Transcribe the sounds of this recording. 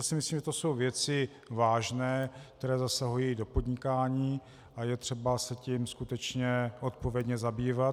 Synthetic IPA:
jasɪmɪsliːmʒɛt̪oso̞wvjɛt͡sɪ | vaːʒnɛːkt̪ɛɾɛːzasaɦujido̞po̞d̪ɲɪkaːɲiː | ʔajɛt̪r̝̥ɛbasɛcimskut̪ɛt͡ʃɲɛʔo̞t̪̚po̞vjɛdɲɛzabiːvat̪

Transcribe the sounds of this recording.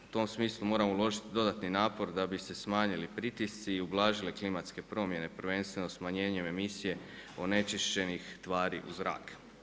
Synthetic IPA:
u̥t̪o̞msmiːslˠumo̞ːɾamoulˠo̞ʒit̪id̪o̞d̪at̪ninaːpo̞ɾd̪abise̞smaːɲilipɾit̪ist̪siːublˠaːʒileklimat̪ske̞pɾo̞ːmje̞ne̞pɾʋe̞nst̪ʋe̞nosmaɲe̞ːɲe̞me̞misije̞o̞ne̞t͡ʃiʃt͡ɕe̞nixt̪ʋaːɾḭʔṵzɾa̰ːk

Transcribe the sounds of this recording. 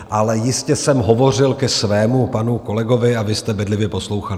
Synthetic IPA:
ʔalɛjɪscɛsɛmɦo̞vo̞r̝ɪlkɛsvɛːmupanuko̞lɛɡo̞vɪavɪst̪ɛbɛdlɪvjɛpo̞slowxalɪ

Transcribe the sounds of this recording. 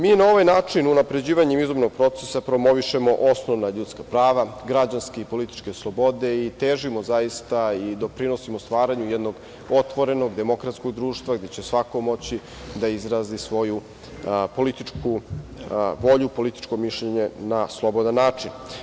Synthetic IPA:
miːnao̞ʋajnaːt͡ʂinunapɾe̞d͡ʑiːʋaɲemizomno̞ɡ̚pɾo̞t̪sesapɾo̞mo̞ʋiʃe̞mo̞ʔosnoʋnaʎut̪skapɾaːʋaɡɾad͡ʑanskeipo̞lit̪i̥t͡ʃke̞slˠo̞bo̞d̪e̞it̪eʒimo̞zajist̪aid̪o̞pɾino̞simost̪ʋaːɾaɲujɛd̪no̞ɡ | o̞t̪ʋo̞ɾe̞noɡd̪e̞mo̞kɾat̪skoɡd̪ɾuːʃt̪vaɡd̪e̞t͡ɕe̞sʋakomo̞t͡ɕi | d̪aizɾaːzisʋo̞ju | po̞lit̪it͡ʂkʰu | ʋo̞ʎupo̞lit̪i̥t͡ʃkomiʃʎeɲe̞naslˠo̞bod̪anːaːt͡ʂin

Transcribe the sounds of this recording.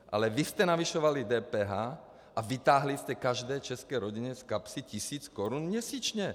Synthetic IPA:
ʔa̰lɛʋiscɛnaʋiʃɔʋalid̪ɛːpɛɦaː | ʔaʋit̪aːɦliscɛkaʒd̪ɛːt͡ʃɛskɛjɾɔɟiɲɛskapsicisiːt͡skɔɾunmjɛsiːt͡ʃɲɛ

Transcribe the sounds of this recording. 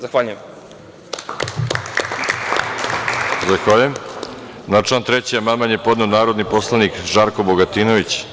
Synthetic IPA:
zaxʋaʎujem | zaxʋaʎujem | nat͡ʃant̪ɾet͡ɕijamamanjepo̞d̪neonaːɾo̞d̪niposlˠanikʒaɾko̞boɡat̪ino̞ʋit͡ɕ

